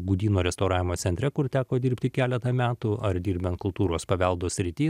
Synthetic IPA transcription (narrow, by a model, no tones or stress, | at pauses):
ɡuːd̪ʲiːnoːɾʲɛst̪ɔʊɾɑːʋʲɪmoːt̪sʲɛnʲt̪ʲɾʲɛkʊɾt̪ʲæːkoːd̪ʲɪɾʲpʲt̪ʲɪkʲæːlʲɛt̪ɐmʲæːt̪ʊɐɾd̪ʲiːɾʲbʲɛnt̪̚kʊlˠt̪uːɾoːspɐʋʲɛlˠd̪oːsʲɾʲɪt̪ʲiː